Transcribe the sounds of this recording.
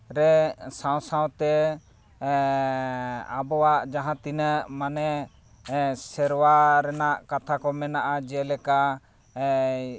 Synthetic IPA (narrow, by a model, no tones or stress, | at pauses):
ɾɛsaw̃saw̃t̪ɛ | abɔwaʔd͡ʒaɦãt̪inəʔmanɛ | sɛɾwaɾɛnaʔkat̪ʰakɔmɛnaʔad͡ʒɛlɛka